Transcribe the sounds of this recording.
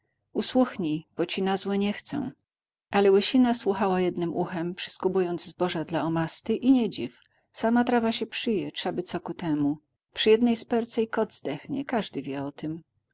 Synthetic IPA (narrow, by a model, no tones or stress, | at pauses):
uswuxɲib̥ɔt͡ɕinazwɛɲɛxt̪sɛ̰̃w̃ | ʔalɛwɛɕinaswuxawajɛd̪nɘmʔuxɛmpʂɘ̥skubujɔnd̪zzbɔʐad̪laɔmast̪ɘʔiɲed͡ʑif | samat̪ɾavaɕɛpʂɘjɛtʂabɘt̪sɔkut̪ɛmu | pʂɘjɛd̪nɛjspɛɾt̪sɛikɔd̪zd̪ɛxɲɛ̰kaʐd̪ɘvʲjɛɔt̪ɘm